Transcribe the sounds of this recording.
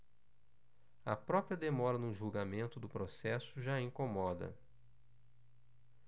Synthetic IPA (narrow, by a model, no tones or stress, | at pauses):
ɐpɾɔpɾiɐd̪emɔɾɐnʊʒuɡamẽnt̪ʊd̪ʊpɾosɛsʊʒaẽŋkomɔd̪ɐ̰